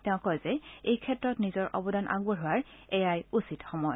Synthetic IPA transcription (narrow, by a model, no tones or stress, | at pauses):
tɛʊ̃kɔjzɛejkʰɛtɹɔtnizɔɹʔɔ̰bɔdanʔa̰ɡɔɹɦʊaɹ | ɛjajusitxɔmɔj